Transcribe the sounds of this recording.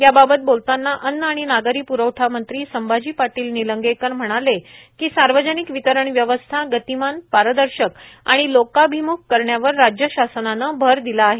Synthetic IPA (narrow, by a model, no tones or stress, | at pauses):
jababət̪̚bolt̪anːaʔənːaɽ̃inaɡəɾiːpuɾəwʈʰamənt̪ɾiːsəmbad͡ʑiːpaʈiːlniləŋɡekəɾm̤əɽ̃ale | kiːsaɾʋəd͡ʑənikʋit̪əɾəɳʋjəʋəst̪ʰaɡət̪imanpaɾəd̪əɾɕəka̰ɽ̃ilokabʱimukkəɾɳjaʋəɾːad͡ʑjəɕasənanəbʱəɾd̪ilaːɦe